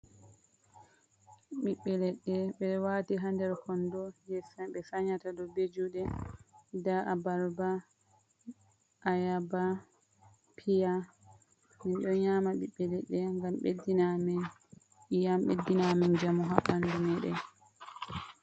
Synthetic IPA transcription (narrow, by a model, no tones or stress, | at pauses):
ɓiɓːɛlɛɗːɛɓɛwaːtiɦandɛɾkɔndɔjɛfɓɛfaɲatadɔbed͡ʒuɗɛ | daʔabaɾba | ʔajaba | pʰija | minɗɔɲamaɓiɓːɛlɛɗːɛŋɡamɓḛdinam | jamɓḛdːinamand͡ʒamuɦaʔandumɛɗɛ